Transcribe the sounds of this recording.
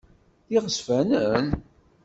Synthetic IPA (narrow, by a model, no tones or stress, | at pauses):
θiʁəsfænən